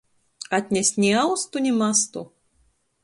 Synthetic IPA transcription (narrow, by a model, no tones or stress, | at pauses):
ɐd̪ʲnʲɛsʲnʲɛawst̪unʲɛmast̪u